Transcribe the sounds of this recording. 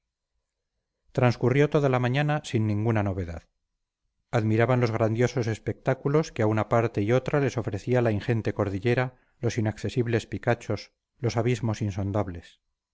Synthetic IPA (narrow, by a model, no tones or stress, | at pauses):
t̪ɾanskurjo̞t̪o̞ðalamaɲanasinːĩŋɡunano̞β̞e̞ða̰ð | aðmiɾaβanlo̞zɣ̞ɾand̪jo̞so̞se̞spe̞k̚t̪akulo̞skeaunapaɾt̪e̞io̞t̪ɾale̞so̞fɾe̞θialainxe̞nt̪e̞ko̞ɾðiʎe̞ɾa | lo̞sinakθe̞siβle̞spikat͡ʃo̞s | lo̞saβizmo̞sinso̞nd̪aβle̞s